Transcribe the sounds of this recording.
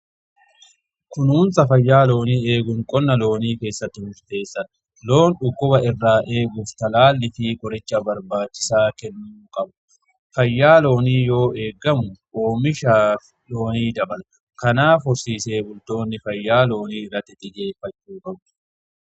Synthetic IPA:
kʊnuːnsɐfɐjːaːlo̞ːniːe̞ːɡʊŋkʼɔnːɐlo̞ːniːke̞ːsːɐt̪ːɪmʊʃɪ̥t̪e̞ːsːɐᶑɐ̥ | lo̞ːnᶑʊkːʊbɐɪrːaːʔe̞ːɡʊft̪ɐlaːlːɪfɪkʼɔɾɪt͡ʃːɐbɐɾbaːt͡ʃːɪ̥saːkɛnːuːkʼɐbʊ̥ | fɐjːaːlo̞ːniːjo̞ːe̞ːɡːɐmʊʔo̞ːmɪʃaː | lo̞ːniːd̪ɐbɐl | kɐnaːfɔɾsiːse̞ːbʊlt̪o̞ːnːɪfɐjːaːlo̞ːniːɪrːɐt̪ːɪt̪ʼɪd͡ʒe̞ːfːɐt͡ʃːuːkʼɐb

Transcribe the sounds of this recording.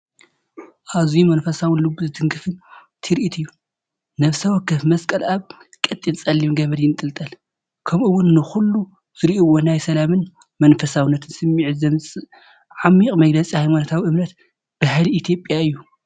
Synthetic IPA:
ʔazjumɐnfɐsawʊnlɨbːuzɨd̪ʰɨŋɡɨfɨn | t̪ʰɨɾʔit̪ʰɨjːu | nɐβsɐwɐkːɨfmɐskʼɐlʔaβkʼɐt̪ʼːint͡sʼɐlːimɡɐβɐd̪jɪnt̪ʼɨlt̪ʼɐl | kʰɐmɨwʊnːɨxulːu | z̥ɨɾiʔiwonajsɐlamɨn | mɐnfɐsawnːɐt̪ʰɨnsɨmːiʕzɐmɨsʼɨ | ʕamːiqʼmɐɡlɐt͡sʼihajmanɐt̪ʰawiɨmnɐt̪ | b̥ahliit̪ʰjo̞pʼːjaɨjːu

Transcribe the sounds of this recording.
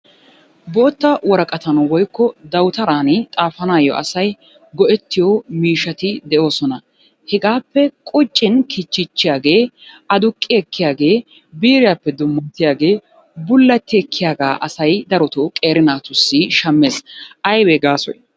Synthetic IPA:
bo̞ːt̪ːɐwɔɾɐkʼɐt̪ɐnwɔjkːɔd̪ɐwt̪ɐɾaːnɪt̪ʼaːfɐnaːjɔ̰ʔɐ̰sɐj | ɡɔʔɛt̪ːɪjoːmiːʃɐt̪ɪd̪ɛʔo̞ːsɔnɐ | hɛɡaːpːɛkʼʊt͡ʃʼːɪnkʰɪt͡ʃːɪt͡ʃːɪjaːɡe̞ː | ɐd̪ʊkʼːɪɛkːɪjaːɡe̞ː | biːɾɪjapːɛd̪ʊmːɐnt̪ːɪjaːɡe̞ː | bʊlːɐt̪ːɪɛkʰːɪjaːɡaːʔɐsɐjd̪ɐɾɔt̪ɔkʼe̞ːɾɪnaːt̪ʊsːɪʃɐmːeːsʔɐjweɡaːsɔ̰j

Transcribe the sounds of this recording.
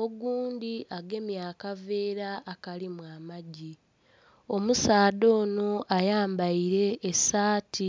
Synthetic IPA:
o̞ɡuːndiʔaɡe̞mjaːkave̞ːɾaʔːkalimwaːmaɟi | o̞musaːdo̞ːno̞ʔajaːmbaiɾe̞ːsaːti

